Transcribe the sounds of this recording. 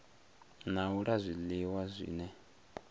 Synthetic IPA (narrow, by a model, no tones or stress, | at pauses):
nauɺazʷiliwazʷḭːnɛ